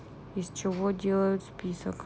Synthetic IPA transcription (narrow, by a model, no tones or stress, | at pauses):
ist͡ʃɪvodʲelˠəjʊt̪spʲisə̰k